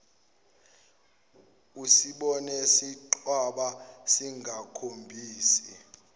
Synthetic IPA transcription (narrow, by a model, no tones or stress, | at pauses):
usiɓɔnɛsiǃʰwaɓasiŋɡʱakʰombʱiːsi